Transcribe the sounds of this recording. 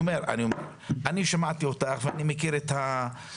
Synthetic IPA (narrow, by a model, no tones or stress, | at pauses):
me̞ʁa̰niome | ʔaniʃamat̪io̞taχveanimekiɾet̪ha